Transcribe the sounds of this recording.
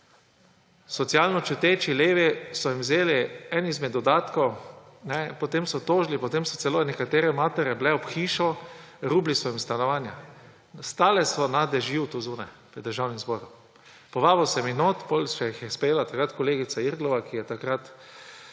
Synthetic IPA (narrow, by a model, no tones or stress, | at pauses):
sɔt̪siaːlnɔt͡ʃut̪eːt͡ʃileːʋisɔjimwzeːliɛnizmɛd̪ɔd̪aːt̪kɔwnɛpɔt̪emsɔt̪oːʒlipɔt̪emsɔt̪sɛlonɛkat̪eːɾɛmaːt̪ɛɾjɛblɛɔpxiːʃɔɾuːblisɔimst̪anɔʋaːnja̰ | st̪aːlɛsɔnad̪ɛʒiwt̪uzuːnaj | pɾɛd̪ːərʒawnimzbɔːɾu | pɔʋaːbiwsɛminoːt̪polʃɛjixjɛspɾɛjeːlat̪akɾat̪kɔleːɡit̪saiɾɡ̪lɔʋakijɛt̪akɾat̪